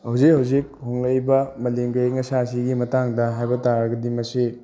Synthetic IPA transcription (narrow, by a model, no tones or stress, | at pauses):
hɐwzik̚hɐwzik̚hoŋlɐjbɐmɐleŋɡɐjŋɐsasiɡimɐtaŋdɐɦajbɐtaɾɡɐdimɐsi